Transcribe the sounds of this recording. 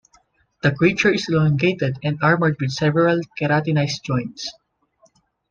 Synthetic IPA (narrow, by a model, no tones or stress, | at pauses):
d̪̥ɐkɹit͡ʃʊɹɪslɔŋɡet̪ɛd̪ɛ̃nd̪aɹməɹd̪̚wɪd̪̚sɛvɛɹalkɛɾat̪ɪnajsd͡ʒɔ̃jnt̪s